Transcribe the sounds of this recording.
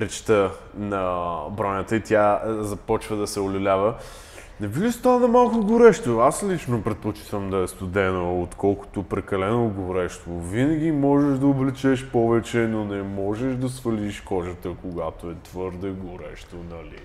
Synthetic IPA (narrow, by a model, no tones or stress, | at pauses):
ɾɛt͡ʃt̪ə | nɐbɾɔnʲət̪əit̪ʲjazɐpɔt͡ʃvəd̪ɐsɛʊlʲɛlʲavə | nɛviɡist̪anɐmalˠkoɡʊɾɛʃt̪oaslit͡ʃnopɾɛt̪̚pot͡ʃi̥t̪vəmd̪ɐɛst̪ʊd̪ɛnoot̪kʰɔlˠkʊ̥t̪opɾɛkɐlɛnoɡʊɾɛʃt̪ovinəɡ̟ʲimɔʒɛʒd̪ɐoblɛt͡ʃɛʃpɔvɛt͡ʃɛnonɛmɔʒɛʃd̪ɐsfɐliʃkɔʒət̪əkoɡat̪oɛt̪vɤɾd̪ɛɡʊɾɛʃt̪onɐlḭ